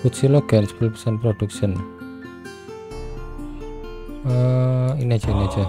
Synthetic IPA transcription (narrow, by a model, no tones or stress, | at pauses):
put̪siloɡ̥anspilpə̥sɛnpɾoɖ̥uksən | əiniḁd͡ʒ̥ainḁd͡ʒa